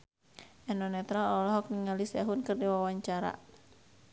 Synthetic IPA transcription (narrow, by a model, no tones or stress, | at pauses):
ʔɛnɔnɛt̪ɾalɔlɔɦɔk̚niŋalisaɦunkɨrdiwawaɲt͡ʃaɾa̰